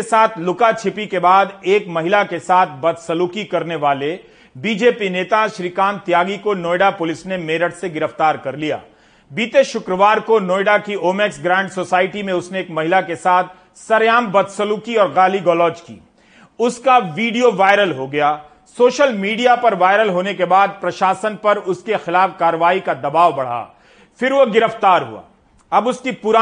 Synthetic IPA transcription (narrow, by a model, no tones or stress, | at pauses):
saːt̪ʰlʊkat͡ʃʰɪpikebaːd̪eːkmɐɦɪlakesaːt̪ʰbɐd̪səluːkikɐɾneʋaːle | biːd͡ʒeːpineːt̪aʃɾikaːnt̪jaːɡikonoːɪɖapʊlɪsnemeːɾəɽseɡɪɾəft̪aːɾkɐɾlija̰ː | biːt̪eʃʊkɾəʋaːɾkonoːɪɖakioːmeːksɡɾɛ̃ːɳɖsoːsaːɪʈimẽʊsneeːkmɐɦɪlakesaːt̪̚ʰ | sɐɾjaːmbɐd̪səluːkiɔːɾɣaːliɡɔːlɔːd͡ʒkḭː | ʊskaʋiːɖijoʋaːɪɾəlɦoɡɐjaː | soːʃəlmiːɖijapɐɾʋaːɪɾəlɦoːnekebaːd̪̚pɾɐʃaːsənpɐɾʊskexɪlaːfkaːɾəʋaːikad̪ɐbaːʋbɐɽ̤a̰ː | fɪɾʋoɡɪɾəft̪aːɾɦṵa̰ː | ɐbʊskipʊɾaː